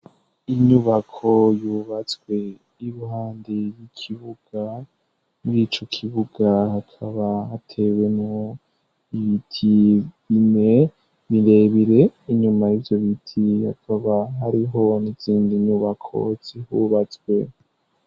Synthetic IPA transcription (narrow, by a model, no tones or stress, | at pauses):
iɲuβakʰo̞juβat͡swe̞ | iɾuɦaːndejikʰiβuɡ̥a | muɾiːt͡ʃo̞kʰiβuɡ̥ahakʰaβahatʰe̞we̞no | iβitʰiβine̞ | βiɾe̞βiɾe̞iɲumajivjo̞βitʰiha̰kʰaβaɦaɾiɦo̞niz̥iːndiɲuβakʰo̞̰z̥ihuβat͡swe̞̰